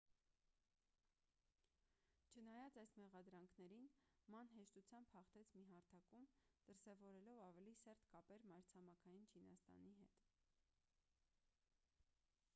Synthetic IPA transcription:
t͡ʃʰənɑjɑt͡sɑjsmɛʁɑd̪ɾɑŋkʰnɛɾinmɑnɦɛʃt̪ut͡sʰjɑmbhɑχt̪ɛt͡sʰmiɦɑɾt̪ʰɑkumd̪̥əɾsɛvɔɾɛlɔvɑvɛlisɛɾt̪kɑpɛɾmɑɾt͡sʰɑmɑkʰɑjint͡ʃʰinɑ̰st̪ɑ̰niɦɛt̪

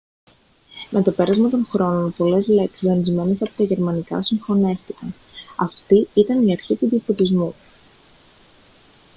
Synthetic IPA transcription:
mʔe̞t̪o̞pe̞ɾɐzmɐt̪o̞ŋxɾo̞no̞npo̞le̞zle̞ksizðɐnizme̞ne̞sɐpo̞t̪ɐʝe̞ɾmɐnikɐ̰siɱfo̞ne̞fθikɐn | ɐft̪iit̪ɐniɐɾçit̪uðiɐfo̞t̪izmu

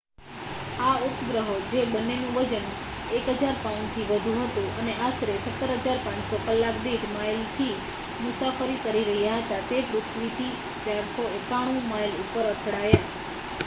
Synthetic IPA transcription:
aupɡɾəɦod͡ʒebənːenũʋəd͡ʒən | ekɦəd͡ʒaɾpant̪ʰiʋəd̪ʱũɦət̪ũəneʔast̪ɾesət̪ːəɾɦəd͡ʒaɾpãnt͡ʃsokəlːakd̪iʈmajlt̪ʰi | mʊsafəɾikəɾiɾəɦjaɦət̪at̪eput͡ʃʰʋit̪ʰi | t͡ʃaɾsoekaɽ̃ũmajlupəɾət̪ʰəɽaja

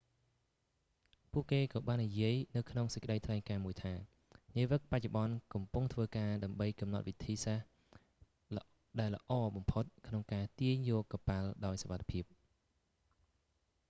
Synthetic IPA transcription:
puəʔkeːkɑːɓaːnːijiəjnɨwkʰnoŋsəc̚kə̆ɗəjt̪ʰlaɛŋkaːmuəjt̪ʰaː | niəʋɨk̚pac̚t͡ɕoɓɑnkɑmpuŋt̪ʰʋəːkaːɗaəmɓəjkɑmnɑt̪̚ʋit̪ʰiːsah | ɗaɛlːə̆ʔɑːɓɑmpʰot̪̚kʰnoŋkaːt̪iəɲjɔːkːapalɗaɔjsoʋat̪ʰːe̥pʰiəp̚

